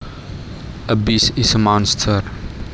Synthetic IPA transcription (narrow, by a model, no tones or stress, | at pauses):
ʔəbisisəmɔ̃nstʰər